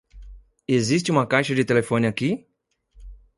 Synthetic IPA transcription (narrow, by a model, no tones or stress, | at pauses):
ezis̬t͡ʃɪũmɐkajʃɐd͡ʒɪt̪elefõnɪaki